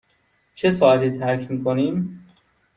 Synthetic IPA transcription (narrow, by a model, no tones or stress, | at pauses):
t͡ʃʰe̞sɒːæt̪iːt̪ʰæɾcʰmiːkʰoniːm